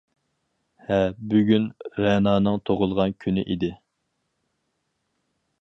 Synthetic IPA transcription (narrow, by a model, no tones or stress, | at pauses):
hɛbyɡʲynɾɛnɑːnɨŋt̪ʰoʁʊlˠʁɑnkʲʰynɪʔid̪ɪ